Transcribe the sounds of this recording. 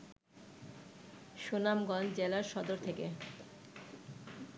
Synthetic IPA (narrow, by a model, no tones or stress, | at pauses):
ʃonamɡɔnd͡ʑelaɾʃɔd̪oɾt̪ʰeke